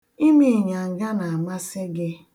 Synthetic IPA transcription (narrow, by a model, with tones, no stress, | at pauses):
i˦mi˨ɲa˨ŋ̩˨ɡa˦na˨a˨ma˦sɪ˦ɡɪ˦